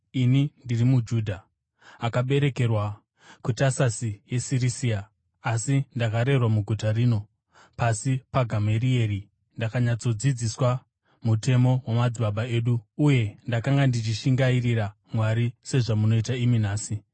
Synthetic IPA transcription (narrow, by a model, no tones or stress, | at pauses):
inindirimud͡ʒuːdʱaː | kaɓe̞ɾe̞ke̞rwa | kutasasije̞sirisiaː | sindakaɾe̞rwamuɡʱutariːno̞ | pasipaɡʱamerie̞ri | ndakaɲat͡so̞d͡zid͡ziswa | mutʰe̞mo̞wemad͡ziɓaɓae̞ːɗuːje̞ndakaŋɡandit͡ʃiʃiŋɡairiɾa | mwaɾise̞ʐamuno̞itaiminaːsi